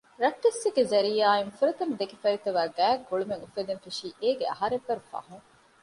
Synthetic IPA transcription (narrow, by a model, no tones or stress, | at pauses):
ɾɐʈːesːiɡezɐɾiːaːiŋfuɾɐt̪ɐnd̪ekifɐɾit̪ɐʋaːɡæːɡoɭumeŋufɐd̪enfiʃiːʔeːɡeɐɦɐɾebːɐɾufɐ̰huŋ